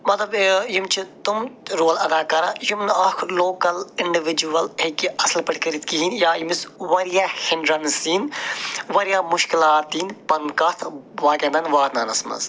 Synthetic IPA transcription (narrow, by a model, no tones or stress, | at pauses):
mɐt̪lɐbjimt͡ʃʰit̪umɾoːlɐd̪aːkɐɾajumnɐkʰloːkɐlɪɳɖiʋid͡ʒuɐlekiɐslpɐʈʰkɐɾit̪kiɦiːnjaːjimisʋɐɾjaːhɪɳɖɾɐnsiːnʋɐɾijaːmʊʃkilaːt̪iːnpɐnkɐt̪ʰ | ʋaːɡʲɐnd̪ɐnʋaːɾnɐnɐsmɐ̰z